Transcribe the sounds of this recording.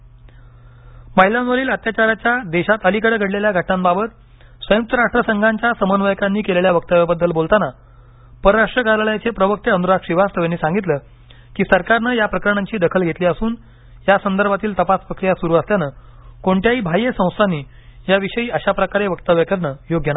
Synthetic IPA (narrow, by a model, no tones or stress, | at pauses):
məɦilãnʋəɾiːlət̪jat͡ɕaɾat͡ɕjad̪eɕat̪əlikəɽəɡʱəɽleljaɡʱəʈɳambabət̪ | sʋəjuk̚t̪əɾaʂʈɾəsəŋɡʱaɲt͡ɕjasəmənʋəjkanːiːkeleljaʋək̚t̪aʋjabəd̪ːəlbolt̪ana | pəɾɾaʂʈɾəɡalɭjat͡sepɾəʋək̚t̪eənɾaʂʈʂiʋast̪əʋjanːiːsãŋɡit̪lə | kiːsəɾkaɾnəjapɾəkəɾɳaɲt͡ɕiːd̪əkʰəlɡʱet̪liːəsuːn | jasənd̪əɾbʱat̪iːlt̪əpaspɾəkɾijasuɾuːəst̪janə | koɳʈjaiːbʱajesə̃w̃st̪ʰanːiː | jaʋiɕəiːəɕapɾəkaɾeʋəkt̪aʋjəkəɾɳəjoɡjəna